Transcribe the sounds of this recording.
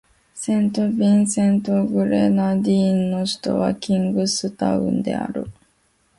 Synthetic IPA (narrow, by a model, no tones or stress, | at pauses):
sẽ̞nt̪o̞bʲĩɰ̃sẽ̞nt̪oɡɯ̟ɾenad̪ʲiːnːo̞ɕi̥t̪o̞̰βakʲĩŋɡɯ̟sɨt̪aɯ̟̰̃nd̪e̞̰a̰ɾɯ̟̰